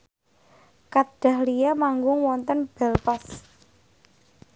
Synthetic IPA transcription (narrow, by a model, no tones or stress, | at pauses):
kad̥a̤hlijamaŋɡʊŋwɔnt̪ənb̥ɛlpɔs